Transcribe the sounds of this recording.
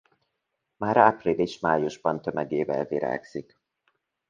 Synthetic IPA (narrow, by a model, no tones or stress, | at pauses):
maːɾaprileːʃmaːjuʒbɒnt̪ø̞mɛɡeːvɛlviɾa̰ːksik